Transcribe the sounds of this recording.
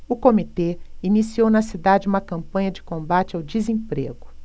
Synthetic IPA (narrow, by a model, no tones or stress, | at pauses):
ʊkomit̪einisiownɐsid̪ad͡ʒɪũmɐkɐ̃mpɐ̃ɲɐd͡ʒɪkõbat͡ʃɪawd͡ʒizẽpɾḛɡʊ